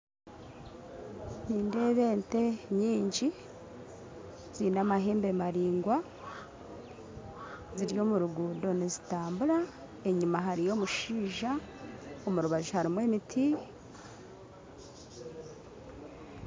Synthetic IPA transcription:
niːnde̞ːβe̞ːnte̞ɲiːɲɟi | z̥iːnamaɦeːmbe̞maɾiːŋɡwa | ziɾjo̞ːmuɾuɡuːdo̞nizitaːmbuɾa | e̞ɲumaɦaɾijo̞ːmuʃiːʒa | omuɾuβaʒuhaɾimwe̞ːmitʰi

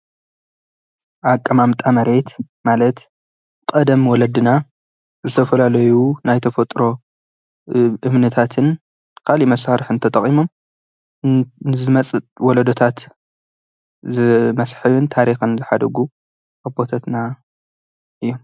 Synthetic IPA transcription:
ʔakʼːɐmamt̪ʼamɐɾe̞t̪ | malɐt̪ | kʼɐd̪ɐmwɔlɐd̪ɨna | zɨt̪ʰɐfɐlalɐjunajt̪ʰɐfɐt̪ʼɾo̞ | ʔɨmnɨt̪ʰat̪ʰɨn | kʰalimɐsaɾħɨnt̪ʰɐt̪ʼɐχʼimo̞m | nɨzɨmɐt͡sʼɨwɔlɐd̪ot̪ʰat̪ | zɨmɐsħɨβunt̪ʰaɾixɨnzɨħad̪ɐɡu | ʔabo̞t̪ʰɐt̪na | ʔɨjːom

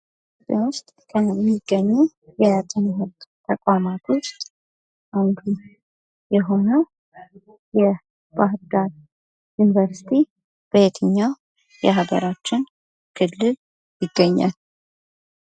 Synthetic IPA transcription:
tʼenwʊst̪ʼkʰəmːiɡːəɲːu | jɛjat̪ʼɪnɦot̪t̪ʰəkʼamat̪ʰo̞st̪ʼ | ʔand̪ʰu | jɛɦo̞nə | jɛ | b̥ahd̪at̪ | junivəɾsi̥t̪ʰi | b̥əjet̪ʰɨɲːa | jɛɦaɡə̰ɾat͡ʃːɪn | kʰɨlːɨl | jɪɡːəɲːa̰l

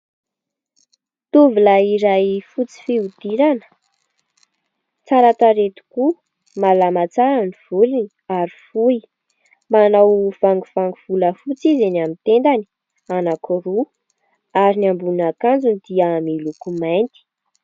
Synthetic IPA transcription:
t̪uvilaiɾajfut͡si̥fiud̪̥iɾanə̥ | t͡saɾat̪aɾet̪u̥ku | malamat͡saɾaniv̥ulini | aɾifui | manawv̥aŋɡuv̥aŋɡuv̥uləfut͡sizenamit̪end̪ani̥ | anakuɾu | aɾinambunakand͡zunid̪̥iamilukumajnt̪i̥

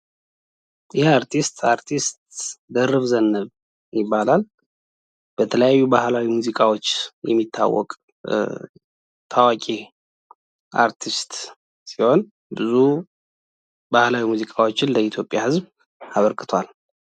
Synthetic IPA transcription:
jʔɪhiaɾt̪ʰist̪aɾt̪ʰist̪̚d̪ərːɨβzənːɨβ | jɪbːalal | b̥ət̪ʰələjajːubahlawimuzikʼawo̞t͡ʃːjɛ̰mːit̪ʰːa̰wːɔ̰kʼ | t̪ʰawakʼe | ʔa̰ɾt̪ʰist̪ | siho̞n | bɨzu | bahlawimuzikʼawo̞t͡ʃːɪnləit̪ʰjopʼjahɨzb | aβəɾkʼɨt̪ʰwal

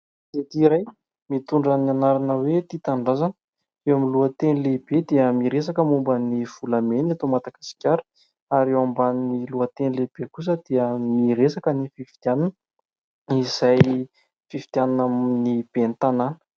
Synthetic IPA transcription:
d̪̥et̪iɾaj | mit̪uɳɖ͡ʐanianaɾanəwet̪it̪aɳɖ͡ʐazanə | ewamiluət̪enleb̥ed̪iəmiɾesakəmumbəniv̥ulamenat̪omat̪akasi̥kʲaɾə̥ | aɾewambanniluət̪enileb̥ekus̬əd̪̥iəmiɾesakənififi̥t̪jananə | iz̥aj | fifi̥t̪iananamnib̥ent̪ananə̥

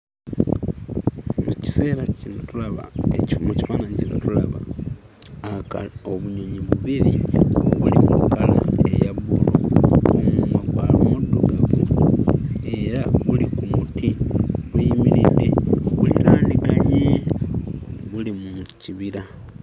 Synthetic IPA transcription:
uci̥se̞ːɾacinotulaβa̰ecmuci̥faːnaɲcino̰tulaβaː | kaoβuɲo̞ɲiβuβiɾiβulimukala̰ejaβulomumakwa̰ːlumudːoɡaβuloe̞ɾaβulikumutʰiβuimiɾideβulḭɾaːndikaɲe | βulimuciβiɾa

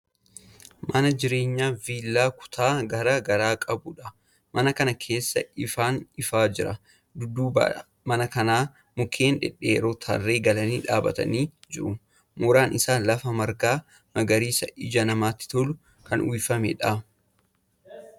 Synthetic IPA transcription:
mʔɐnɐd͡ʒɪɾe̞ːɲːaːviːlːaːkʊ̥t̪ʰaːɡɐɾaɡɐɾaːkʼɐbʊᶑɐ | mʔɐnɐkɐnɐkʰe̞ːsːɐ̰ɪfaːnɪfaːd͡ʒɪɾɐ | d̪ʊd̪ːuːb̰ | mɐnɐkɐnaː | mʊkʰe̞ːnᶑɛ̰ᶑeːɾoːt̪ʰɐ̰rːeːɡɐlɐniːᶑa̰ːbɐ̰t̪ɐ̰niːd͡ʒɪɾʊ | mʊɾaːnʔɪsaːlɐfɐmɐɾkaː | mɐɡɐɾiːsɐʔɪd͡ʒɐnɐmaːt̪ːɪ̥t̪ɔlʊ | kʰɐnwijfɐmɛ̰ᶑɐ

